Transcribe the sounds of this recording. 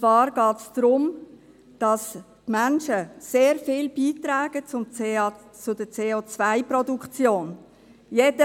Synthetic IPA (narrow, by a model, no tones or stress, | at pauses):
t͡svɑːɾɡ̥ɑːtsd̥ɾʊm | d̥ɑs | tmanʃəseːɾfɪːlb̥iːtɾaːɡ̥ət͡sʊm | t͡sʊdət͡seːoːt͡svaɪprɔdukt͡sjoːn | jed̥ə